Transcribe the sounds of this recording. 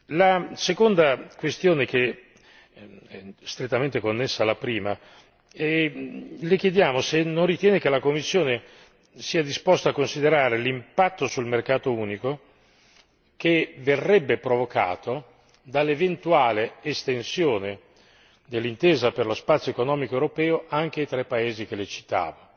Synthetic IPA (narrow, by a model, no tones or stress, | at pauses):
lasekond̪akwest̪joːnek̟e | ɛst̪ɾet̪ːament̪ekonːesːalapɾiːma | ɛ | lek̟jed̪jaːmosenːonrit̪jɛːnek̟elakomːisːjoːne | siːad̪ispost̪akːonsid̪eɾaːɾelimpat̪ːosulmerkaːt̪ouːniko | keverːɛbːepɾovoka̰ːt̪o | d̪alːevent̪uaːleest̪ensjoːne | d̪elːint̪eːzaperlospat̪sjoekonɔːmikoewɾopɛːoʔaŋk̟eajt̪ɾɛpːaeːzik̟elet͡ʃi̥t̪a̰ːva